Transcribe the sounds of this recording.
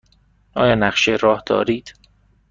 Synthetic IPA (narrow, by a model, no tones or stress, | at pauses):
ʔɒːjɒːnæχʃeɾɒːhd̪ɒ̰ːɾiːd̪̥